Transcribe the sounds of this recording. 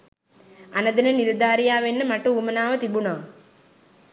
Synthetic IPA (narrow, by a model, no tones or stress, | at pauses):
anəd̪ənənild̪aːɾijaːʋenːəmaʈəuːmənaːʋət̪ibunaː